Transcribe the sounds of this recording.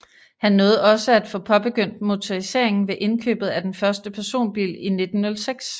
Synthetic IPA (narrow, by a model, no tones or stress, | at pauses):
hænːɔ̽ːð̩ˠɒ̽səæd̥fɔ̽pʰɒ̽b̥e̝ɡ̥øn̰d̥mo̝t͡sʰoʁise̝̰ɐ̰e̝ŋn̩ʋe̝ʔe̝nkʰø̰ːb̥ð̩ˠæd̥enfɶɐsd̥əpʰæɐso̝̰ːnb̥ḭline̝d̥n̩ːɔ̽lseɡ̥s